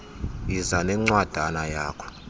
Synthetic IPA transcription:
jizanɛŋ͡ǀwad̥ʱanajaːkʰɔ̥

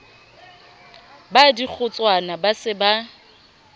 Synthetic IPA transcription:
badik͡xʰʊt͡sʼwanabasɪba

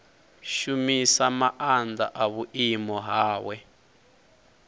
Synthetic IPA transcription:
ʃumisamaʔand͡zaʔaβuʔimɔɦaːwɛ

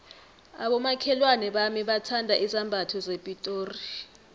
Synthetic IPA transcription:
aɓɔmakʰɛlwanɛɓamiɓatʰandʱaʔizambʱatʰɔzepʼitʼoːri

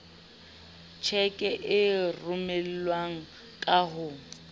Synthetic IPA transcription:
t͡ʃʰɛkʼɛʔɪrʊmɛl̩lwaŋ̩ | kʼaɦʊ

